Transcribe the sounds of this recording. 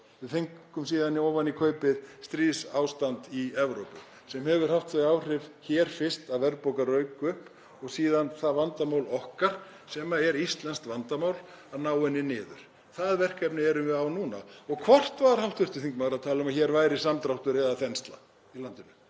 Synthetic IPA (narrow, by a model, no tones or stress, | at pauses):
vɪðθiŋkʏmsiːðaniɔːwvanikʰœːɥpɪðst̪ɾiːðsaːwst̪ant̪iɛvɾowpʏ | sɛmhɛvʏɾ̥haft̪θaaːwr̥ɪvçɛːɾ̥fɪr̥st̪aðvɛɾpowkarœːɥkʏhp | ɔɣsiːðanθaðvant̪amaːwlɔhkaɾ̥ | sɛmaɛɾist̪lɛnst̪vant̪amawl | aðnaːwɛnːɪnɪːðʏ̰ɾ̥ | θaðvɛr̥kʰɛpnɪɛɾʏvɪðawnuːna̰ɔɣkʰvɔr̥t̪vaðɾ̥hawht̪vʏr̥t̪ʏ̥θiŋkmaːɣɾaðt̪ʰaːlɪʏmaçɛɾvaːjɾɪsamt̪ɾawht̪ʏɾɛðaθɛnst̪la̰ | ilant̪ɪnʏ